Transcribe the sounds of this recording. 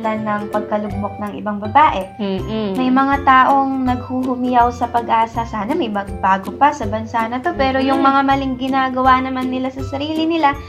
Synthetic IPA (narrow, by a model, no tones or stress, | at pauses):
lanːɐŋpɐɡ̚kɐlʊɡ̚mok̚nɐŋʔɪ̰baŋbɐbaːʔɛ | mɐjmɐŋat̪aːʔo̞ŋnɐɡ̚huɦʊmɪjawsɐpɐɡʔaːsɐsaːnɐmɐjmɐɡ̚baːɡopɐsɐbɐnsanɐt̪o̞pɛːɾo̞jʊŋmɐŋamɐlɪŋɡɪnaːɡɐwanɐmanːɪlasɐsɐɾiːlɪnɪla